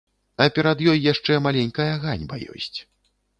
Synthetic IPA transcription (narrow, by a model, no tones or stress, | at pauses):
ɐpʲɛɾɐd̪jɔjːaʂt͡ʂɛmalʲɛnʲkɐjɐɣanʲbɐ̰jɔ̰sʲt͡sʲ